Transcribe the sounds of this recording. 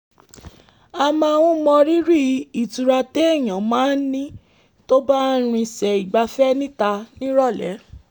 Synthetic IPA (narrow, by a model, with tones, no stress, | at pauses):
a˧mã˧˨˧wũ˦mɔ̃˧ɾi˦ɾi˦˨i˨tu˨ɾa˧te˦ɛ˦˨j̃ã˨mãː˨˦n̩˦nĩ˦ | to˦ba˦n˦ɾ̃ĩ˧sɛ˨i˨ɡ͡ba˧fɛ˦nĩ˦ta˧nĩ˦ɾɔ˦˨lɛ̰˨˦